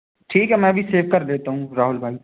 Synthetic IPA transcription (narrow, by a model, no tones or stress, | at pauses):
ʈʰiːkɦɛmɛ̃ːɐbʱiseːʋkɐɾleːt̪aɦũɾaːɦʊlbʱaːi